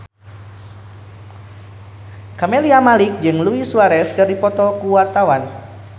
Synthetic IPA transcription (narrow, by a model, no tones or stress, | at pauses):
kameliamalik̚d͡ʒɨŋluisuaɾɛskɨrdipɔt̪ɔkuwart̪awan